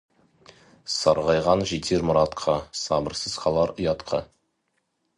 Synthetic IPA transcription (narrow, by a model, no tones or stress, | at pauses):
sɑɾʁɑjʁɑnʒet̪ʰeɾmʊɾɑt̪qʰɑsɑbəɾsəz̥χɑlˠɑɾəjɑt̪qʰɑ